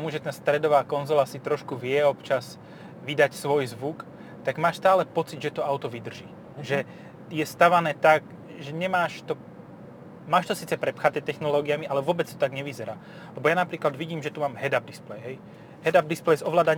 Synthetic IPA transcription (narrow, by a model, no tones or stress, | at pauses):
t̪ɔmuʒɛt̪aːst̪ɾɛd̪ɔʋaːkɔnzɔlasit̪ɾɔʃkuʋɪɛɔpt͡ʃaz | ʋid̪acsʋɔjzʋuk | t̪aɡmaːʃst̪aːlɛpɔt͡sid̪ʒɛt̪ɔaʊt̪ɔʋid̪r̩ʒiː | ʒɛ | jɛst̪aʋanɛːt̪ak | ʒɛɲɛmaːʃt̪ɔ | maːʃt̪ɔsiːt͡sɛpɾɛpxat̪ɛːt̪ɛxnɔlɔːɡiamialɛʋʊɔbɛt͡st̪ɔ̥t̪aɡɲɛʋizɛɾaː | lɛbɔjanapɾiːklad̪ʋiɟiːmʒɛt̪umaːmɦɛd̪ab̚d̪isplɛjɦɛj | ɦɛd̪ab̚d̪isplɛjzɔʋlaːd̪aɲ